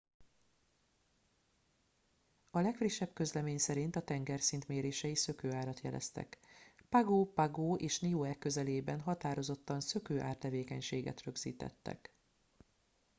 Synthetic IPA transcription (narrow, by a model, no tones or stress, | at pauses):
ɒlɛkfriʃːɛbkø̞zlɛmeːɲsɛɾint̪ɒt̪ɛŋɡɛrsint̪meːɾeːʃɛisø̞køːaːɾɒt̪jɛlɛ̰st̪ɛ̰kpaɡoːpaɡoːʔeːʃnioːɛkːø̞zɛleːbɛnɦɒt̪aːɾo̞zo̞t̪ːɒnsøkøːʔa̰ːrt̪ɛveːkɛɲʃeːɡɛ̰t̪rø̞ɡz̥ḭːt̪ɛ̰t̪ːɛ̰k